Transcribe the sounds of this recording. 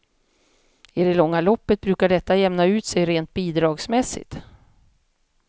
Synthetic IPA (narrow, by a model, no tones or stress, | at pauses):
ɪd̪ɛlɔŋːalɔpːət̪̚bɾʉ̟ːkaɖɛt̪ːajɛmnaʉ̟ːt̪sɛjɾeːnt̪̚biːd̪ɾɑːɡsmɛsːɪ̰t̪